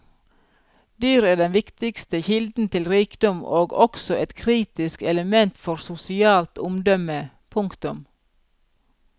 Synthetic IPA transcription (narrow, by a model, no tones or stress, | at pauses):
d̪yːɾeːɖɛnʋɪkt̪ɪkst̪əçɪld̪n̩t̪ʰɪlɾiːkd̪ɔmʔoːɡɔksɔʔɛt̪kʰɾiːt̪ɪskɛləmɛnt̪fɔɾsʊsɪɑːlt̪ʊmd̪œmə | pʰʊŋkt̪ʊm